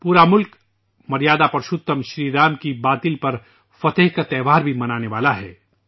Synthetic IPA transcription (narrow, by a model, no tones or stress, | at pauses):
puːɾamʊlk | mɐɾijaːd̪apɾʃʊt̪ːəmʃɾiːɾaːmkibaːt̪ɪlpɐɾ | fɐt̪əɦkat̪ɛːʋaːɾbʱimɐnaːneʋaːlaɦɛː